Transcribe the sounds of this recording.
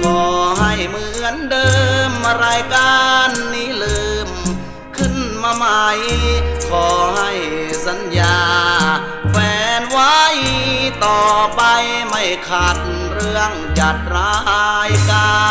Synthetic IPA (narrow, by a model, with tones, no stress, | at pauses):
kʰɔː˨˩ɦa˧˩jmɯː˧˩ŋɯ˧˥˨ndɤː˧m˧ɾaː˧jkaː˧nːiː˦˥lɯː˧m | kʰɯ˧˥˩nmaː˧ma˧jkʰɔː˨˩ha˧˩jsa˨˦njaː˧ | fɛː˧nwa˦˥jt̪ɔː˨˩pa˧jma˥˩jkʰaː˨˧˩t̪̚ | ɾɯ˧əŋt͡ɕa˨˩t̪̚ɾaː˧˦˥jkaː˧